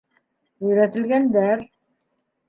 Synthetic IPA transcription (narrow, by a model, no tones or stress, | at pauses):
ujɾæt̪ɪlɡænd̪æɾ